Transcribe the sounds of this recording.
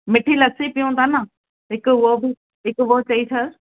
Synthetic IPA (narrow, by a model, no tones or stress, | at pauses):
mɪʈʰilɐsipijõt̪aːna | ɦɪkʊʋobɪ | ɦɪkʊʋoːt͡ɕɐisʰɐɾ